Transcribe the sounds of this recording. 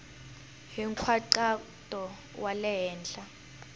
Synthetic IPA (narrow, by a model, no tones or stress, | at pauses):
ɦiŋkʰwaǀatʼɔ | wʔalɛɦɛːnd͡ɮa